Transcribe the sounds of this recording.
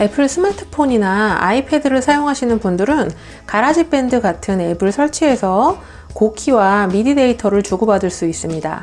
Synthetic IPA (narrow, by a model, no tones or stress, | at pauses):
e̞pʰɯɭsʰɯmatʰɯ̥pʰoɲinaa̰ipʰe̞dɯɾɯɭsʰajoŋɦaɕʰinɯnpundɯɾɯn | kaɾad͡ʑip͈e̞ndɯɡatʰɯne̞bɯɭsʰʌɭt͡ɕʰie̞sʰʌ | kokʰiwamidide̞itʰʌɾɯɭt͡ɕuɡobadɯɭs͈uis͈ɯmɲida̰